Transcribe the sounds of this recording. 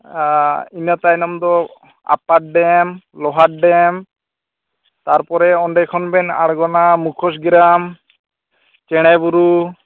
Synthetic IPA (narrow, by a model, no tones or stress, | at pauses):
inat̪ajnɔmd̪ɔ | a̰paʈ̚ɖɛmlɔɦaʈ̚ɖɛm | t̪aɾpɔɾɛɔɳɖɛkʰɔnbɛna̰ɽɡɔnamukʰɔs̬ɡɾam | t͡ʃɛɽ̃ɛbuɾu